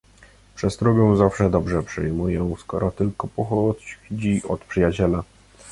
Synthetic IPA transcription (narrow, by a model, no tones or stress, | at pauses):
pʂɛst̪ɾɔɡʲɛw̃zafʂɛd̪ɔbʐɛpʂɘ̰jmujɛw̃skɔɾɔt̪ɘlkɔpɔxɔt͡ɕd͡ʑiɔt̪pʂɘjat͡ɕɛla